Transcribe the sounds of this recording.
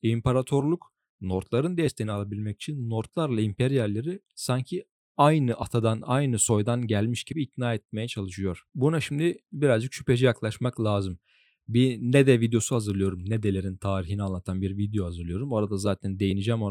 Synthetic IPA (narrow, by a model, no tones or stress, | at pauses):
impʰaɾat̪ʰo̞ɾlˠuk | no̞ɾt̪lˠaɾɯnd̪ɛst̪ʰeinialˠabilʲmɛci̥t͡ʃʰinːo̞ɾt̪lˠaɾlˠaimpʰeɾijalʲːeɾi | saɲcʰi | ajnɯʔat̪ʰad̪anajnɯso̞jd̪anɟælʲmiʃɟibiːt̪naːɛt̪̚me̞jɛt͡ʃʰalˠɯʃɯjo̞ɾ̥bunaʃimd̪ibiɾazd͡ʒɯkʃy̥pe̞d͡ʒijaklˠaʃmaklʲˠaːzɯm | binɛd̪ɛvid̪jo̞suhazɯɾlˠɯjo̞ɾumnɛd̪elʲe̞ɾint̪ʰaːɾiɦinianlˠat̪ʰanbiɾvid̪jo̞hazɯɾlɯjo̞ɾumoɾad̪azaːt̪ʰænd̪ejinid͡ʒɛmo